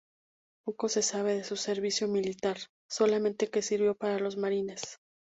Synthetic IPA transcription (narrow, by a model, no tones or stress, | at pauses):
poko̞se̞saβ̞e̞ð̞e̞suse̞ɾβisjo̞milit̪aɾ | so̞lamẽ̞nt̪e̞ke̞siɾβjo̞paɾalo̞zmaɾine̞s